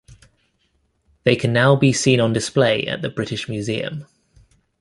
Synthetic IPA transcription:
ðeɪkʰə̃nːaʊbisĩːnə̃ndɪspleɪʔə̰ʔðəbɹɪtɪʃmjʉːziːə̰̃m

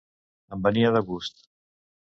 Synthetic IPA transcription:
əmbəniəðəɣust̪

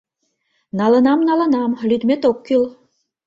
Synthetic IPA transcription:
nɑlə̆nɑmnɑlə̆nɑmlyd̪met̪okːyl

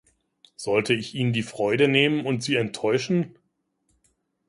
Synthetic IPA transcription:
z̥ɔltʰəɪçʔiːndiːfʁ̥ɔʏdəneːmənʊntz̥iːɛntʰːɔʏʃn̩

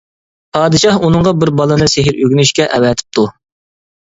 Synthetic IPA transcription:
pʰɑːd̪ɨʃɑhunɨŋʁɑbɪɾbɑlˠɨnɨseɦɪɾøɡʲynyʃkʲɛʔɛwɛt̪ʰɪ̥p̚t̪ʰu

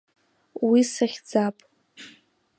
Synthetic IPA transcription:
wisaχʲd͡zapʼ

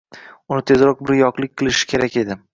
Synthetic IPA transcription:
ʊnɪt̪ʰe̞zɾɒq̚bɪɾjɒqlˠɪk̚ʲqʰɨlˠɪʃɪ̥kʲʰe̞ɾakʲe̞d̪ɪ

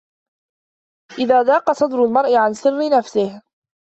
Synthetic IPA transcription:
ʔɪðaːd̪ɑːqɑsˤɑd̪ɾʊlmɑɾˤʔɪʕansɪrːɪnafsɪh

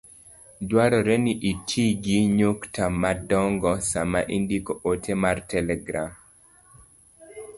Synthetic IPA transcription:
dwaɾɔɾɛniʔitʰiɡiɲoktamadɔŋɡɔsamaʔindikɔʔotʰemartɛlɛɡɾa̰m

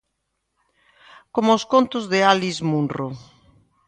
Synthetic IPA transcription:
komooskont̪ʊzðealizmunro

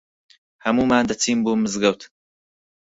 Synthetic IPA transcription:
hɐmuːmaːnd̪ɐt͡sʰiːmbuːmɨzɡɐwt̪

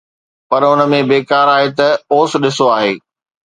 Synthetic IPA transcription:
pɐɾʊnə̆mẽbeːkaːɾaːɦet̪ɐoːsɗɪsoaːɦeː

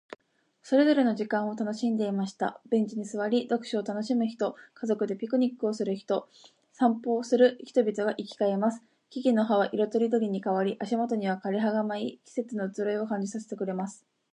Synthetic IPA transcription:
so̞ɾe̞zo̞ɾe̞no̞ʑikãɰ̃o̞t̪ano̞ɕĩnd̪e̞imaɕi̥t̪a̰b̥ẽ̞ɲ̟d͡ʑiɲ̟isɨβaɾʲid̪o̞kɯ̟̥ɕiot̪ano̞ɕimɯ̟çi̥t̪o̞kazo̞kɯ̟d̪e̞pʲikɯ̟ɲ̟ikːɯ̟o̞sɨɾɯ̟çi̥t̪o̞ | sãmpo̞ːsɨɾɯ̟çi̥t̪o̞bʲit̪oɡaʔikʲi̥kae̞masɨ̥ | kʲiɡʲino̞ɦaβaʔiɾot̪oɾʲid̪o̞ɾʲiɲ̟ikaβaɾʲiʔaɕimo̞t̪o̞ɲ̟iβ̞akaɾʲeɦaɡamaikʲi̥se̞t͡sɨnoɯt͡sɨɾaio̞kãɲ̟d͡ʑisaset̪e̞kɯ̟ɾe̞masɨ̥

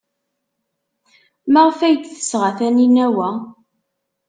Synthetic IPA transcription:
məʁfæjt̪θə̥sʁaθæninæwæ

